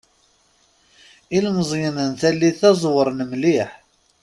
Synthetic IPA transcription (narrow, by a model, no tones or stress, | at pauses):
ilməzˤjənənθælːiθæzˤwəɾˤnəmliħ